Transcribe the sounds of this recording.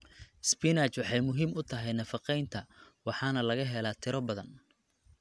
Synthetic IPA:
spinat͡ʃwɑħɑjmʊɦiːmʊt̪ʰɐɦɛjnɐfɑqɛjnt̪ʰɐwɑħɑːnɐlɐɣɐɦɛlaːt̪ʰɪɾɔbɐðɐn

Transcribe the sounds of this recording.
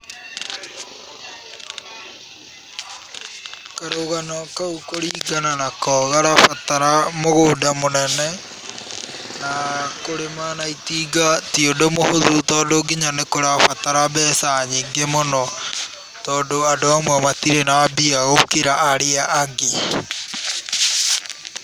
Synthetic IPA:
kaɾoɣanɔkaukoɾiːɡananakɔːɣaɾafataɾamoɣoːdamonɛnɛ | nakoɾemanaitiːɡatiodomohoðutɔːdoɡiɲanekoɾafataɾabɛːsaɲiŋɡemonɔ | tɔːdoadoamwɛmatiɾenabiaokeɾaʔːɾeaʔaɡe

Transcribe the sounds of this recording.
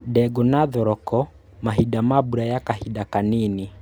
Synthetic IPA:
ɗɛɡɔnaðɔɾɔkɔ | maɦiɗamabuɾajakahiɗakanini

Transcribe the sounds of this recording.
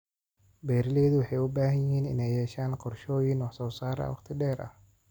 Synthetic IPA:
bɛːɾɪlɛːðʊwɑħɑjʊbaːɦɐjɪhiːnɪ̰nɛjhɛːʃaːnqɔrʃɔːjɪnwɑħsɔːsaːɾ̰ɐ̰wɑqt̪ʰɪɖɛːɾʔɐ̰h

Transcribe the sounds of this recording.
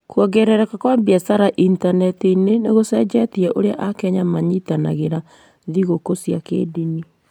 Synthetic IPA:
kwɔɡɛɾɛɾɛkakwabiɛsaɾaʔintanɛtineneɣosɛd͡ʒɛtiɛʔoɾeaʔakɛɲamaɲitana̰ɣeɾa | ðiɣokosjakḛdini

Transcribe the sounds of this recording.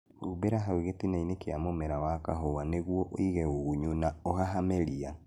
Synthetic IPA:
hubeɾaɦaweɣetinainekeamomɛɾawakaɦowaneɣwɔʔo̰iɣɛoɣuɲunaohaɦameɾia

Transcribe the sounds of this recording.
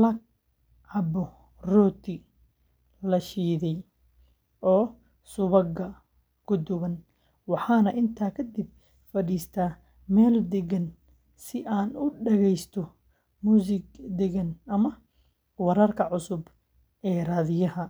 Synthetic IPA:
lɐɡ̚ | ʕɑbɔ | rɔːt̪ʰɪ | lɐʃiːðɛj | ʔɔː | sʊβɐɡɐ | ɡʊd̪ʊβɐn | wɑħɑːnɐʔɪnt̪ʰaːkʰɐd̪ɪb̚ | fɐɽiːst̪ʰaː | mɛːld̪ɛɡɐn | sɪʔaːnʊɖɛɣɛjst̪ʰɔ | muːsɪɡd̪ɛɡɐnʔɐmɐ | wɑɾɐrkʰɐʕʊsʊb | ʔɛːraːðɪjɐhɐ

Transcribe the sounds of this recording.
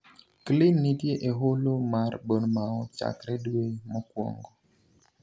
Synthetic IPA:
klɪnːidjeʔeɦolomarbonmaɔt͡ʃa̰kɾɛdwemɔkwɔ̰ŋɡo

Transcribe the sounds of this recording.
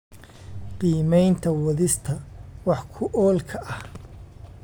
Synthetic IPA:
qiːmɛjnt̪ʰɐwɐðɪst̪ʰɐwɑħkʰʊʔɔːlkʰɐʔɐh

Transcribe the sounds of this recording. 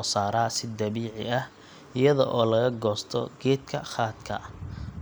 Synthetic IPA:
saːɾaːsɪd̪ɐβiːʕɪ̰ɐh | ɪjɐðɔ̰ʔɔːlɐɣɐɡɔːst̪ʰɔ̰ɡɛːd̪̚kʰɐχaːt̪kʰɐ̰

